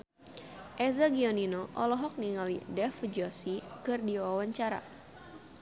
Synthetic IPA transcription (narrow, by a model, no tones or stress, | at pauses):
ʔɛzaɡiɔninoʔɔlɔɦɔk̚niŋalidɛfd͡ʒɔsikɨrdiwawaɲt͡ʃaɾa̰